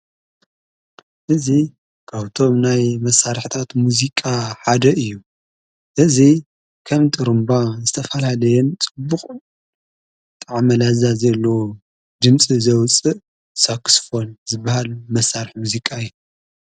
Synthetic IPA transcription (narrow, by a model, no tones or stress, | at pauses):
ʔɨzi | kʰaβt̪ʰo̞mnajmɐsːaɾħt̪ʰat̪muzikʼaħad̪ɐʔɨjːu | ʔɨzi | kʰɐmt̪ʰʼɨɾɨmbazɨt̪ʰɐfɐlalɐjɛnt͡sʼɨbːuχʼ | t̪ʼɐʕamɐlazazɐlːo̞ | d̪ɨmt͡sʼizɐwt͡sʼɨʔ | saksfo̞nzɨbːahalmɐsːaɾɨħmuzikʼaɨjːu